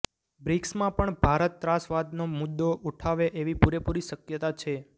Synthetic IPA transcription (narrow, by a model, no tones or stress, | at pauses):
bɾiksmãpəɳbʱaɾət̪ːɾasʋad̪nomʊd̪ːoʔuʈʰaʋeʔeʋipuɾepuɾiʃəkjət̪at͡ʃʰe